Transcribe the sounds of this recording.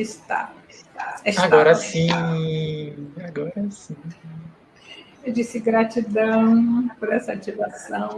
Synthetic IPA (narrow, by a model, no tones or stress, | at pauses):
ɪst̪a̰aɛaɡt̪ɔɾɐsĩ | aɡɔɾɐsĩ | ewd͡ʒisɪɡɾat͡ʃid̪ɐ̃w̃pʊɾɛsɐat͡ʃivasɐ̃w̃